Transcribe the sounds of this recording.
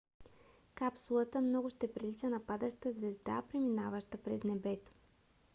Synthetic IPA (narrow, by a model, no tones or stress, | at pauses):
kapsulˠət̪əmnɔɡʊʃt̪ɛpɾilit͡ʃənɐpad̪əʃt̪əzvɛzd̪a̰pɾiminavəʃt̪əpɾɛznɛbɛt̪o̥